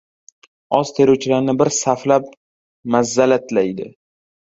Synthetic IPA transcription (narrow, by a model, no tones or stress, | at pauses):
ɒz̥t̪ʰeɾowt͡ʃʰɪlaɾnɪbɪɾsaflap̚ | mazːalat̪ʰlajd̪ɪ̰